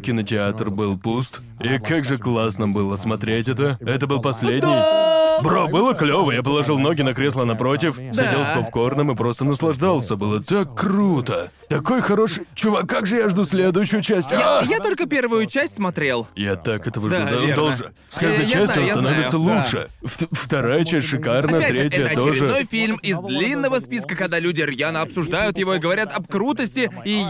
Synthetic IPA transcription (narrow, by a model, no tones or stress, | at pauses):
kʲɪnətʲɪat̪rbɨlˠpust̪ | ikaɡʐɨklˠasnɨmbɨlˠəsmɐt̪ɾʲetʲɛt̪əɛt̪əbɨlˠpɐsʲlʲedʲnʲɪjbɾobɨlˠəklʲovəjap̬əlˠɐʐɨlˠno̞ɡʲɪnɐkɾʲe̞slˠənɐpɾo̞tʲɪfsd̪ʲɪdʲelˠspɐpko̞rnɨmɨpɾo̞st̪ənəslˠɐʐd̪alˠsʲəbɨlˠət̪akːɾut̪ə | t̪ɐko̞jxɐɾo̞ʂɨjt͡ɕʊvakːakʐɨjaʐd̪usʲlʲed̪ʊjʏɕːʊjʊt͡ɕæsʲtʲajat̪o̞lʲkəpʲe̞rvʊjʊt͡ɕæsʲtʲsmɐt̪ɾʲe̞lˠjat̪akɛt̪əvəʐd̪ad̪ad̪olˠʐɨ | sʲkaʐd̪ɨjt͡ɕːæsʲt̪ʲɪnsɐnovʲɪt̪səlˠuʂɨ̰fft̪ɐɾajət͡ɕɛsʲtʲʂɨkarnət̪ɾʲet̬ʲɪjət̪oɾɪʐɨo̞jfʲilʲmɪzd̪lʲinːəvəspʲiskəkɐɡd̪alʲʉdʲɪrjanəɐpsʊʐd̪ajʊt̪jɪvo̞iɡəvɐɾʲat̪ɐbkɾut̪əsʲtʲɪi